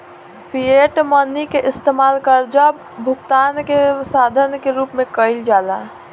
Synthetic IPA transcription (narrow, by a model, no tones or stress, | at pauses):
pʰieʈmənːikeʔɪst̪emalkəɾd͡ʒab | bʱukt̪ankesad̪ʱənkeɾupmẽkəɪld͡ʒala